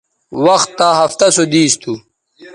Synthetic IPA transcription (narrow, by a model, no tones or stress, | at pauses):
wɐxt̪ːaɦɐft̪ɐsod̪iːst̪ʰu